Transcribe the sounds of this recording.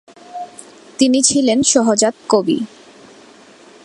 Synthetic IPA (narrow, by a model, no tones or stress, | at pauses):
t̪init͡ɕʰilenʃɔɦod͡ʑat̪̚kobḭ